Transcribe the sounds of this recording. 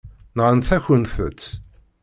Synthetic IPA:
nʁənθæçənθə̰t͡sː

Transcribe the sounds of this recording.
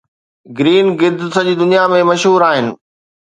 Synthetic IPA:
ɡɾiːnɡɪd̪ʱsɐʄiːd̪ʊnijamẽmɐʃɦuːɾaːɦɪnɪ̆

